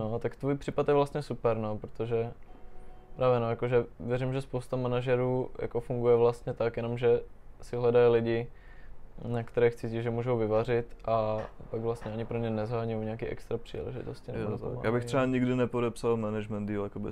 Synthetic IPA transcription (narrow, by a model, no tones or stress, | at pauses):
not̪akt̪vuːjpr̥iːpat̪jɛvlast̪ɲɛsupɛɾnopɾot̪oʒɛ | pɾʔaːvjɛnojakoʒɛvjɛɾimʒɛspowst̪amanaʒɛɾuːja̰kofuŋɡujɛvlast̪ɲɛt̪akjɛno̞mʒɛsɪɦlɛdajilɪɟɪ | nakt̪ɛɾɛːxt͡siːciʒɛmuːʒowvɪvarɪt̪ʔapaɡvlast̪ɲɛaɲɪpɾomɲɛnɛzɦaːɲujowɲɛakiːʔɛ̰kst̪ɾapr̥ḭːlɛ̰ʒɪ̰t̪oscɪnɛza̰a̰jaːbɪxr̥ɛbaɲiɡdɪnɛpodɛpsalmɛnɛʒmɛndiljakobɪ